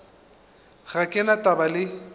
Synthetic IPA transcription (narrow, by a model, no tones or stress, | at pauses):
ɣakʼɪnatʼabalɪ